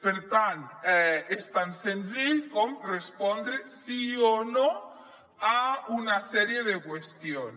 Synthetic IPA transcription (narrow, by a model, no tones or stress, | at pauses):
peɾt̪ant̪ɛest̪ansenziʎkomrespond̪ɾesiono | aunasɛɾjed̪ekwest̪jon